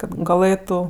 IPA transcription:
kɐt ɡɐˈlˠɘtʊ

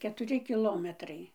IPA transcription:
kʲɛtʊˈrʲɪ kʲɪˈlˠoːmʲɛtrɐɪ

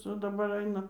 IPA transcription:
ˈt͡sɐ dɐˈbɐr ˈɐɪnɐ

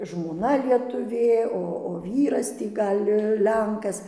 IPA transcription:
ʒmoːˈnɐ lʲiɛtʊˈʋʲeː ˈoː oː ˈʋʲiːrɐs ˈtʲiː ˈɡɐlʲ ˈlʲɛŋkɐs

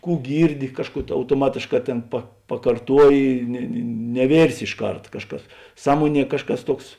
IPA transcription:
ˈkuː ˈɡʲiːrʲˌdʲɪ ˈkɑːʃˌkuː ɐʊtoːˈmɑːtʲeːʃˌkɑː ˈtʲeːn pɐ pɐkɐrˈtuɔjɪ nʲɛ nʲɛ nʲɛˈʋʲeːrʲsʲɪ ɪʃˈkɐrt ˈkɑːʃˌkɐs ˈsɑːmuɔˌnʲiɛ ˈkɑːʃˌkɐs ˈtuɔks

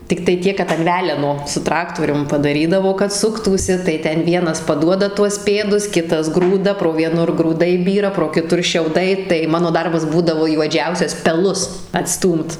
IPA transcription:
tʲɪkˈtɐɪ ˈtʲiɛk kɐt ɐn ˈʋʲæːlʲɛnoː sʊ ˈtrɑːktoːrʲʊm pɐdɐˈrʲiːdɐʋoː kɐt ˈsʊktuːsʲɪ tɐɪ ˈtʲɛn ˈʋʲiɛnɐs pɐˈduɔdɐ tuɔs ˈpʲeːdʊs ˈkʲɪtɐs ˈɡruːdɐ proː ʋʲiɛˈnʊr ɡruːˈdɐɪ ˈbʲiːrɐ proː kʲɪˈtʊr ʃʲɛʊˈdɐɪ tɐɪ ˈmɑːnoː ˈdɐrbɐs ˈbuːdɐʋoː juɔˈd͡ʒʲɛʊsʲɛs pʲɛˈlˠʊs ɐtˈstuːmt

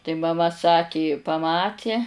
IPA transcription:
tɐɪ mɐˈmɐ ˈsɑːkʲɪ pɐˈmɑːtʲɪ

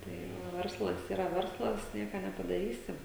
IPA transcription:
tɐɪ ˈʋɐ ˈʋʲɛrslˠɐs iːˈrɐ ˈʋʲɛrslˠɐs ˈnʲiɛkɐ nʲɛpɐdɐˈrʲiːsʲɪ

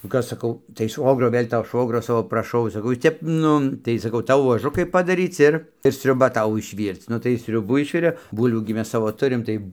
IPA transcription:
nʊ ˈkɐs sɐˈkɐʊ tɐɪ ˈʃʋoːɡroː ˈʋɘlʲ toː ˈʃʋoːɡrʲoː ˈsɑːʋoː prɐˈʃɐʊ sɐˈkɐʊ ˈjɪs ˈtʲɛp ˈnʊ tɐɪ sɐˈkɐʊ ˈtɐʊ ʋuɔˈʒʊkɐɪ pɐdɐˈrʲiːt͡s ˈɪr ɪr sʲrʲʊˈbɐ ˈtɐʊ ɪʃʲˈʋʲiːrt͡s ˈnʊ tɐɪ jɪs ˈsʲrʲʊbuː ˈɪʃʲʋʲɪrʲeː ˈbuːlʲʋʲuː ɡʲɪ ˈmʲɛs ˈsɑːʋoː ˈtʊrʲɪm ˈtɐɪ

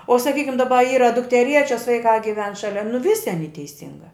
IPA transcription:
oː sɐˈkʲiːkʲɪm dɐˈbɐ ˈiːrɐ dʊktʲɛˈrʲiɛt͡ʃʲɛs ʋɐɪˈkɑː ɡʲɪˈʋʲɛn ˈʃɑːlʲɛ nʊ ˈʋʲɪsʲɪ ɐˈnʲiː tʲɛɪˈsʲɪŋɡɑː

